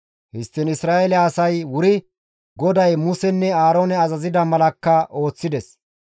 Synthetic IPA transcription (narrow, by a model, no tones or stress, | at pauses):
hɪst̪ːɪnɪsɾaːelɛɐsɐjwʊɾɪ | ɡɔd̪ɐjmʊsɛnːɛaːɾo̞ːnɛɐzɐzɪd̪ɐmɐlɐkːɐʔo̞ːt͡sːɪd̪ɛs